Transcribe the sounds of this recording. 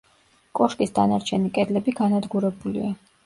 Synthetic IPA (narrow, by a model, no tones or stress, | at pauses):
kʼɔʃkʼisd̪anaɾt͡ʃʰɛnikʼɛd̪lɛbiɡanad̪ɡuɾɛbulḭa